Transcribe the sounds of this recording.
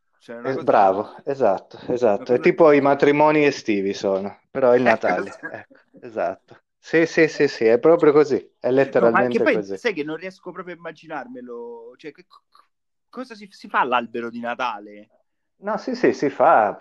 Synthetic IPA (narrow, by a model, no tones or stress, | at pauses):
t͡ʃɛbɾaːvoezat̪ːoezat̪ːoɛt̪ːiːpoimat̪ɾimɔːniest̪iːvisoːnopeɾɔilnat̪aːleɛkːo̥ | eza̰t̪ːo | sisisisiɛpːɾɔːpɾjokozi | ɛlːet̪ːeɾalmmenet̪epɔkozisajkenːonriɛskopɾɔːpɾjoimːad͡ʒinarmelot͡ʃoɛkːek | kːɔzasisifalːalbeɾod̪inat̪aːle | nɔsisisifa